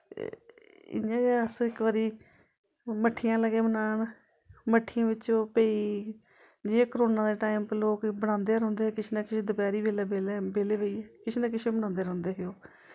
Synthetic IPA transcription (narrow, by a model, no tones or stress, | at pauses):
ɪ̰jãːɡəsɪkʋəɾiː | məʈʰːijãːləɡeːmənaːɳ | məʈʰːɪjãːʋɪt͡ʃoːpeːiː | d͡ʒiːeːkəɾoːnãːd̪eːʈaːimploːkbəɽ̃ãːnd̪eːɾɔ̃ːnd̪eːɛːkɪt͡ʃʰeːnaːkɪt͡ʃʰeːd̪ʊpɛːɾiːbeːlɛːbeːlebeːleːʋeiːɛːkɪt͡ʃʰeːnãːkɪt͡ʃʰẽːbəɽãːnd̪eːɾɔ̃ːnd̪eːɦeoː